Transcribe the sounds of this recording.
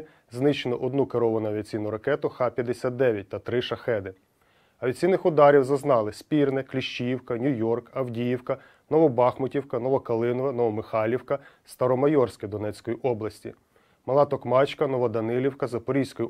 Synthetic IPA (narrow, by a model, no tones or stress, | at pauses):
znɪt͡ʃenɔʔɔd̪nukeɾɔʋɐnʊɐʋʲiɐt͡sʲijnʊɾɐkɛt̪ʊxɑpʲjɐd̪esʲat̪̚d̪ɛʋʲjɐt̚ʲt̪ɐt̪ɾɪʃɐxɛd̪ɪ | ɐʋʲɐt͡sʲsʲijnɪxʊd̪ɑɾʲiwzɐznɑlˠɪsʲpʲirnɛklʲiʃt͡ʃijiwkɐnʲujɔrkɐwdʲijiwkɐ | nɔʋɔbɑxmʊtʲiwkɐnɔʋɔkɐlˠɪnɔʋɐnɔʋɔmɪxɑlʲiwkɐst̪ɐɾɔmɐjɔrsʲkɪd̪ɔnɛt͡sʲkɔjiʔɔblˠɐsʲtʲḭ | mɐlˠɑt̪ɔkmɑt͡ʃkɐnɔʋɔd̪ɐnɪlʲiwkɐzɐpɔɾʲijsʲkɔji